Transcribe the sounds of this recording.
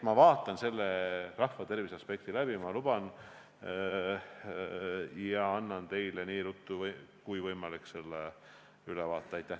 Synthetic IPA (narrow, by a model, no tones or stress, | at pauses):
mɑvɑːt̪ːˑɑnse̞lːerɑhvɑt̪e̞rviseɑspe̞k̚t̪ilæbimɑlub̥ɑn | jɑɑnːɑnt̪e̞jleniːɾut̪ːˑukujvɤjmɑlikse̞lːe | ylevɑːt̪ˑːɑɑjt̪ːˑæh